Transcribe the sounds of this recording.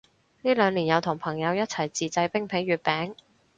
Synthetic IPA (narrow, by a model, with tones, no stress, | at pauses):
niː˥lœː˨˧ŋliː˨˩njɐ˨˧wt̪ʰʊ˨˩ŋpʰɐ˨˩ŋjɐ˨˧wjɐ˥t̚t͡sʰɐ˨˩jt͡siː˨t͡sɐ˧jpɪ˥ŋpʰe˨˥jɥyː˨˧t̚pɛː˨˥ŋ